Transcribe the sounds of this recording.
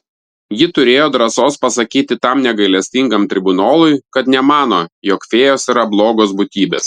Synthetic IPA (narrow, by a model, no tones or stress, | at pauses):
jɪt̪ʊɾʲeːjoːd̪ɾɐsoːspɐsɐkʲiːt̪ʲɪt̪ɐmnʲɛɡɐɪlʲɛsʲt̪ʲɪŋɡɐmt̪ʲɾʲɪbʊnoːlˠʊɪkɐt̪nʲɛmɑːn̪oːjoːkfʲeːjoːsiːɾɐblˠoːɡoːs̬bʊt̪ʲiːbʲḛːs